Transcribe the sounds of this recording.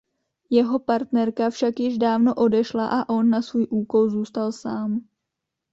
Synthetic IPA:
jɛɦo̞paɾt̪nɛɾkafʃakjɪʒdaːvno̞ʔo̞dɛʃlaʔaʔo̞nːasvuːjʔuːko̞lzuːst̪alsaːm

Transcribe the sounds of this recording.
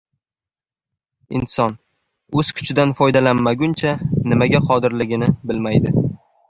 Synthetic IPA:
ɪ̰nsɒn | ɵz̥kʲʰʊ̥t͡ʃʰɪd̪anfɒjd̪alanmaɡʲʊnt͡ʃʰanɪmaɡʲaqʰɒd̪ɪɾlɪɡʲɪnɪbɪlmajd̪ɪ

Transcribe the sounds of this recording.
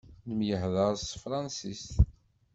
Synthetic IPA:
nəmjəhðəɾˤsfɾˤɑnsist̪

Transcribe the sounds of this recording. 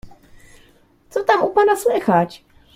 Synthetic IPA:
t͡sot̪amupanaslɛxat͡ʃ

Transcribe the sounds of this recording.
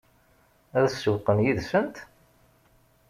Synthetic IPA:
æðsuqːənjiðsənt̪

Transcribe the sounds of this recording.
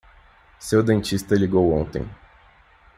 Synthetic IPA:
sewd̪ẽnt͡ʃist̪ɐliɡowõ̰nt̪ḛ̃j̃

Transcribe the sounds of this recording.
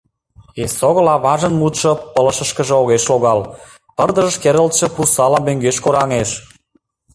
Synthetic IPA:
esoɣə̆lɑβɑʒə̆nmut̪ʃŏpələ̆ʃə̆ʃkə̆ʒĕoɣeʃloɣɑl | pərd̪ə̆ʒə̆ʃkeɾəlt̪ʃĕprusɑlɑmøŋɡeʃkoɾɑŋeʃ

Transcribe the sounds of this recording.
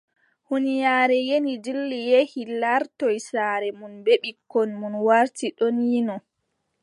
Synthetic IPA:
hunijaːɾɛjenidilːijehilaɾtɔjsaːɾɛmunbeɓikːɔnmunwaɾtiɗɔnjinɔ

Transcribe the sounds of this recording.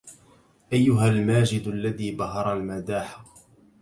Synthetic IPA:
ʔajːʊɦalmaːd͡ʒɪd̪alːaðiːbɑɦɑɾˤalmad̪aːħḁ

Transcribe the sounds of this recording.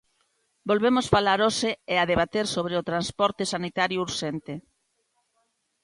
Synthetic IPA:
bolβemosfalaɾoseeaðeβat̪eɾsoβɾeot̪ɾanspɔɾt̪esanit̪aɾjʊuɾʃent̪ɪ

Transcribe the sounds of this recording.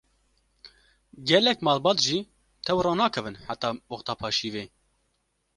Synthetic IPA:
ɡɛlɛkmɑːlbɑːt̪ʒiː | t̪ʰɛwrɑːnɑːkʰɛvɨnħat̪ɑːwɔxt̪ɑːpʰɑːʃiːveː

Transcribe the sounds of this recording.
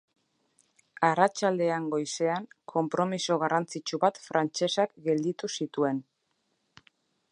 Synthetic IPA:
arat͡ʃald̪e̞aŋɡo̞jse̞aŋkʰo̞mpɾo̞misoɣ̞arant͡sit͡ʃuβat̪fɾʔant͡ʃe̞sakɡe̞ld̪it̪usit̪ue̞n

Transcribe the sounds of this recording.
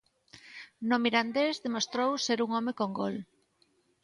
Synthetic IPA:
nomiɾand̪ezðemost̪ɾowseɾuŋomekoŋɡol

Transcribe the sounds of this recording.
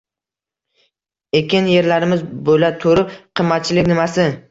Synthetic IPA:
e̞kʲɪnje̞ɾlaɾɪmɪzbolat̪ʰoɾɪpqʰɨmːat̪̚t͡ʃʰɪlɪkʲnɪmasɪ

